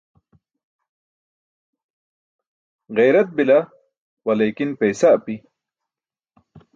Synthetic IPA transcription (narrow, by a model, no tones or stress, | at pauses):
ɣejɾɐt̪̚bila | wɐlejkinpejsapi